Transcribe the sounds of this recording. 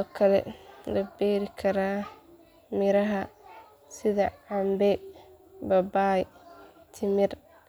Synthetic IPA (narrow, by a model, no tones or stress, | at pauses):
ɔkʰɐlɛ̰lɐbɛːɾɪkʰɐɾaː | mɪɾɐɦɐ | sɪðɐʕambɛ | bɐbaːj | t̪ʰɪmɪr